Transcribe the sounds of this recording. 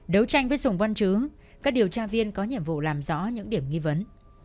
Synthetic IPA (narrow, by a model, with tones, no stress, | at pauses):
ɗə˨˦wt͡ɕa˧jŋ̟vəː˨˦jzʊ˨˩ŋ͡mva˧nt͡ɕɨ˨˦ | kaː˦˥k̚ɗi˨˩əwt͡ɕaː˧vi˧ənkɔ˨˦ɲḭ˧˨əmvṵ˧˨laː˨˩mzɔ̰˧˥ɲɨ̰˧˥ŋɗi˧˩əmŋi˧və˨˦n